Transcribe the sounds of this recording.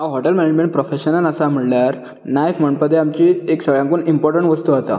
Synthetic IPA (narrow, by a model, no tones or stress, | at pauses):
ɦaɦɔʈəlmɛned͡ʑmẽɳʈ̚pɾofeɕənələsam̤iɭljaɾ | nafməɳpəd̪ʱːeamt͡ɕiːeksəɡɭjãŋkuːnimpɔɾʈəɳʈʋəst̪uat̪a̰